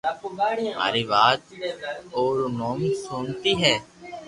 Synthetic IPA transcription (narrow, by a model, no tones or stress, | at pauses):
ma̰ːɾiːʋaːt̪̚ | oːɾmoːmsoːnt̪iːɦɛː